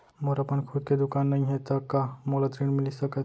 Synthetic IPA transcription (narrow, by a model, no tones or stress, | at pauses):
moɾapəɳkʰud̪̚ked̪ukanːaĩɦet̪əkamolat̪ɾiɳmilisəkət̪